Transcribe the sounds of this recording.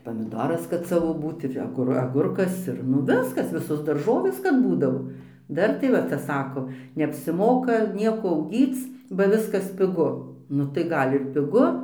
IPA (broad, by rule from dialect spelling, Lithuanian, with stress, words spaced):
pɐmʲɪˈdoːrɐs kɐt ˈsɑːʋoː ˈbuːt ɪr ɐˈɡʊr ɐˈɡʊrkɐs ɪr ˈnʊ ˈʋʲɪskɐs ˈʋʲɪsoːs dɐrˈʒoːʋʲeːs kɐt ˈbuːdɐʋoː ˈdɐr tɐɪ ˈʋɐ ˈt͡sʲɛ ˈsɑːkoː nʲɛɐpʲsʲɪˈmoːkɐ ˈnʲiɛkoː ɐʊˈɡʲiːt͡s bɐ ˈʋʲɪskɐs pʲɪˈɡʊ ˈnʊ tɐɪ ˈɡɐlʲ ɪr pʲɪˈɡʊ